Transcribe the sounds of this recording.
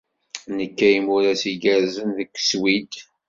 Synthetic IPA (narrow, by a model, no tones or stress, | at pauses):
nəkːæjmuɾæsiɡæɾzənðəkʷːswid̪